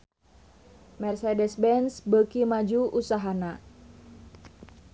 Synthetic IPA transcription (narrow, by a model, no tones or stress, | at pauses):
mɛrsɛdɛsbɛnsbəkimad͡ʒuʔusaɦana